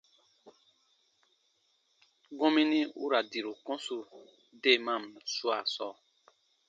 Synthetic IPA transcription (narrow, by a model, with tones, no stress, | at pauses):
ɡɔ̃˦mĩ˦nĩ˦ṵ˦ɾa˨di˨ɾu˨kɔ̃˦su˦ | de˦˨mã˦˨msu˦a˨sɔ˦˨